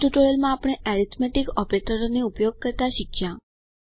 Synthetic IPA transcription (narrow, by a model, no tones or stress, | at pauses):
ʈuʈoɾəlmãːpɽ̃eʔɛɾit̪ʰmɛʈikɔpɾeʈəɾoneupjoɡ̚kəɾt̪aʃɪkʃjã